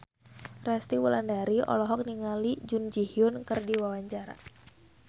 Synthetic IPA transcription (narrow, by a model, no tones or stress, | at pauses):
rast̪iwulandaɾiɔ̰lɔɦɔk̚niŋalid͡ʒund͡ʒihiʊnkɨrdiwawaɲt͡ʃaɾa̰